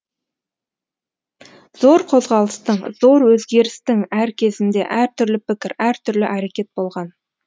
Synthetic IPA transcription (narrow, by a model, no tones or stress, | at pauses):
z̥oɾqʰo̞zʁɑlˠəst̪əɴzo̞ɾwɵzɡʲe̞ɾɪst̪ɪŋæɾkʲʰe̞zɪnd̪e̞̰ʔæɾt̪ʰʏɾlɪpɪkʲɪɾæɾt̪ʰʏɾlɪʔæɾe̞kʲe̞t̪̚bo̞lˠʁɑn